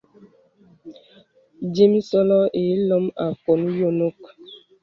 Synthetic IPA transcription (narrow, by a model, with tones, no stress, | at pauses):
d͡ʒi˦m˦sɔ˦lɔ˦ʔe˨˦lɔ˦ma˨ko˨n˦jo˦no˦k